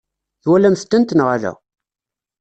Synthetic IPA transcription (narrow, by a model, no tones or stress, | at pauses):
θwælæmθt̪ːənt̪nʁaðæ̰